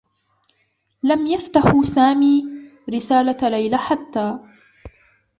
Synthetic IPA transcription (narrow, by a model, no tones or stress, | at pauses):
lamjaft̪aħsaːmiːɾɪsaːlalajlaħat̪ːaː